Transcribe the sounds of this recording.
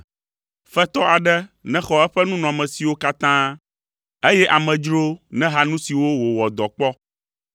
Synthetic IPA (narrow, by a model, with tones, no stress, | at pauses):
fɛ˦t̪ɔ˦a˨ɖɛ˦nɛ̃˦xɔ˨ɛ˦ɸɛ˦nũ˦nɔ̃˨mɛ̃˨si˨wo˦ka˦t̪ã˦ | e˦jɛ˦ʔa˨mɛ̃˨d͡ʒɾo˦nɛ̃˦ɦa˦nũ˦si˨wo˦wo˨wɔ˨d̪ɔ˨k͡pɔ˦